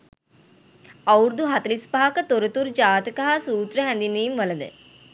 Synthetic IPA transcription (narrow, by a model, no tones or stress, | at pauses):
ɐwɾd̪uɦɐt̪ɐlispaɦɐkɐt̪oɾut̪uɾd͡ʒaːt̪ɐkɐɦasuːt̪ɾɐɦɛnd̪inːeːmʋɐlɐnd̪ə̰